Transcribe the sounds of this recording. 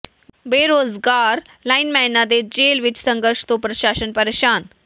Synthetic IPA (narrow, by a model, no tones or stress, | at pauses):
beɾoːd͡zɡaɾ | lainmɛnad̪ed͡ʑelʋit͡ɕsə̃ŋɡəɾʂt̪opɾəɕaːɕənpəɾeɕaːn